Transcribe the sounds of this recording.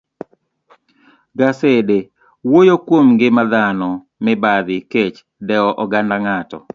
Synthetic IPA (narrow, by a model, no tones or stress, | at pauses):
ɡasede | wojokwomɡɪmad̪anɔ | mɪbad̪ɪket͡ʃ | dɛɔʔɔɡandaŋatɔ̰